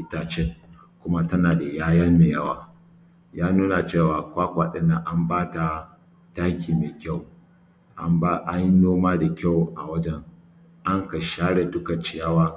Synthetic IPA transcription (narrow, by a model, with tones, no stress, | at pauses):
ʔɪ˦taː˨t͡ʃe˦ | kʷʊ˦ma˦tɐ˦naː˨da˨jaː˦jɐ˦mmeː˨jɐ˦waː˦ | jaː˦nuː˦na˨t͡ʃeː˦˨waː˨kʷaː˦kʷaː˨ɗɪ˦nːa˨ʔa˦mbaː˦ta˨ | taː˦kʲʰiː˨me˨kʲa˦˨w | ʔa˦mba˦ʔa˦ɲ˦noː˦maː˦da˨kʲa˦˨wʔa̰˨wɐ˦d͡ʒɛ˦ŋ | ʔa˦ŋkɐ˨ʃaː˦ɽe˨tʊ˦kɐ˨t͡ʃɪ˦jaː˦waː˦